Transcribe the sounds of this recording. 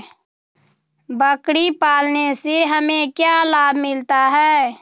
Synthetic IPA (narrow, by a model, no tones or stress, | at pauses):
bəkɽipaːlneseɦəmẽkjalaːbʱmɪlt̪aɦɛː